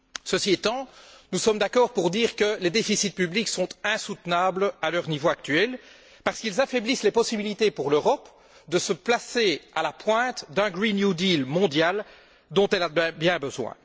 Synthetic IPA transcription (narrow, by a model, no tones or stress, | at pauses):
səsiɛt̪ɑ̃nusɔmd̪akɔːʁpuʁd̪iːʁkəled̪efisit̪̚pybliksɔ̃t̪ɛ̃sut̪nablalœʁnivoak̚t̪ɥɛl | paʁskilzafeblislepɔsibilit̪epuʁløʁɔp | d̪əsəplasealapwɛ̃t̪d̪ɛ̃ɡʁinjud̪ilmɔ̃d̪jal | d̪ɔ̃t̪ɛlaɛ̃bjɛ̃bəzwɛ̰̃